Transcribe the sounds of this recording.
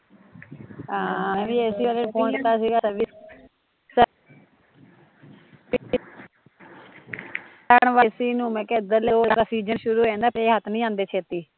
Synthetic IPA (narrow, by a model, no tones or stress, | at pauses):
ɦãːɛ̃ːʋiːesiːʋaleːpʰõːɳʈt̪aːsiːɡaːəʋiː | sə | pɪ | aɳʋaːsiːnũːmɛ̃ːkeːd̪əɾleoːad̪aːsiːd͡ʒənʃʊɾuːẽːnd̪aːpʰɾeːɦət̪nĩːãːnd̪eːt͡ʃʰeːt̪iː